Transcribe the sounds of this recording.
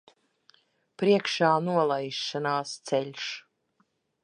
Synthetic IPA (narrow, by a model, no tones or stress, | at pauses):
pɾiɛkʃaːnuɔlˠajʃːanaːst̪sɛlʲʃ